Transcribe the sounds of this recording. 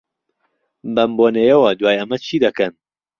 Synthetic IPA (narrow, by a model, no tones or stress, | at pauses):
bɐmboːnejɛwɐd̪waːjɐmɐt͡ʃʰiːd̪ɐkɐn